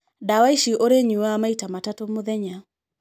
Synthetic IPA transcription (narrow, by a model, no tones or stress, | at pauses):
dawaiʃiʔoɾeɲuwamaitamatatomoðɛɲa